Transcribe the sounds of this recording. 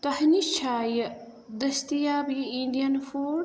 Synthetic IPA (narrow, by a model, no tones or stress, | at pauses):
t̪ɐhnit͡ʃʰaːjə | d̪ɐst̪ijaːbiinɖijɐnfoː